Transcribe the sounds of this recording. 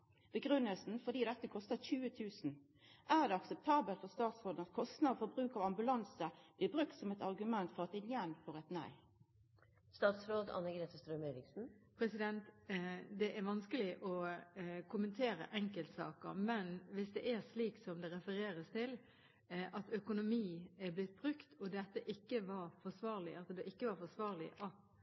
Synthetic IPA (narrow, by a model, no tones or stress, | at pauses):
b̥əɡʁʉnːəlsn̩fɔd̪iːd̪ɛt̪ːəkʰɔst̪əçʉːət̪ʰʉːsn̩ | ʔæʁd̪ɛɑksɛp̚t̪ʰɑːbəlt̪fɔʁst̪ɑːt̪sɾoːd̪ənɑt̪̚kʰɔst̪nɑfɔɾbʁʉːkɑʋɑmbʉlɑnsəb̥lɪːbʁʉk̚t̪sɔmɛt̪ɑʁɡʉmɛnt̪fɔʁɑt̪̚ɪnjɛnfoːʁɛt̪næ̰ɪ | st̪ɑːt̪sɾoːd̪ɑ̰nːəɡɾeːt̪əst̪ɾœmeːɾɪksn̩pʰɾɛsɪd̪ɛnt̪d̪ɛʔæɾʋɑnskəlɪʔɔ | kʰʊmənt̪ʰeːɾə̰ʔɛŋkəlt̪sɑ̰ːkə̰ɾmɛnʋɪsd̪ɛʔæʂliːksɔmd̪ɛɾɛfəɾeːɾəst̪ʰɪl | ʔɑt̪œkʊnʊmiːɛɾblɪt̪̚ːbɾʉkt̪ʰɔd̪ɛt̪ːəʔɪkːəʋɑɾfɔsʋɑːɾlɪɑt̪d̪oʔɪkːəʋɑɾfɔsʋɑːɾlɪ̰ʔɑt̪